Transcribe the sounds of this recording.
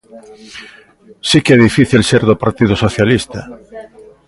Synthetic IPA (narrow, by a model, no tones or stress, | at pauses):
sikɛðifiθilseɾðopaɾt̪iðosoθjalist̪a